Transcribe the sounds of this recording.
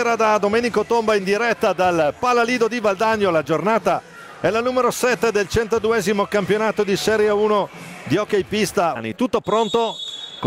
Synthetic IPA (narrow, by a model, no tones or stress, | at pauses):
ɾad̪ad̪omeːnikot̪ombaind̪iɾɛt̪ːad̪alpalaliːd̪od̪ivald̪aɲːolad͡ʒornaːt̪a | ɛlanuːmeɾosɛt̪ːed̪elt͡ʃɛnt̪od̪uɛːzimokampjonaːt̪od̪isɛːɾjauːnod̪iɔkejpist̪anḭt̪ut̪ːopɾont̪ok